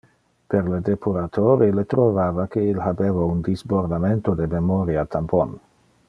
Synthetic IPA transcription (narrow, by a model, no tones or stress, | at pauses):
peɾled̪epʰuɾat̪ʰoɾilet̪ɾovaːvakeilɦabevaund̪izboɾd̪ament̪od̪ememoɾiat̪ʰampon